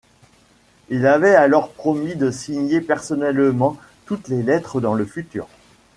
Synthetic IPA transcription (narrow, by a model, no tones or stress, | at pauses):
ilavɛalɔʁpχɔmid̪əsiɲepɛʁsɔnɛlmɑ̃ | t̪ut̪lelɛt̪χəd̪ɑ̃ləfyt̪y̰ːʁ